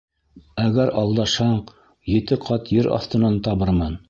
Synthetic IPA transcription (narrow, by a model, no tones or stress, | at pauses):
æɣæɾɑlˠd̪ɑʃhɑɴ | jɘ̆t̪ɘqʰɑt̪jɘɾʔɑ̰θt̪ɤ̆nɑnt̪ɑβɤɾmɑn